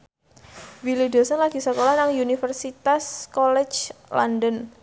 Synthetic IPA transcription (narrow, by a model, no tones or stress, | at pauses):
wilidosanlaɡ̥isəkolahnaŋjunifərsit̪askɔlɛt͡ʃlɔndən